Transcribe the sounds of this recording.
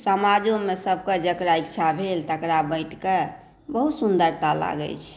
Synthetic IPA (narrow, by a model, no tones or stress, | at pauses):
səmad͡ʒomesəb̚ʱkəd͡ʒəkɾaikt͡ʃʰabʱelt̪əkɾabəɪʈke | bəɦut̪sund̪əɾt̪ala̰ɡɛ̰t͡ʃʰ